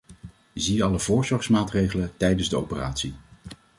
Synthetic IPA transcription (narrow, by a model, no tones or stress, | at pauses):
ziɑləvʊːɹzɔɹsmaːtrejχələtɛjdənzdəo̰wpəra̰ːtsi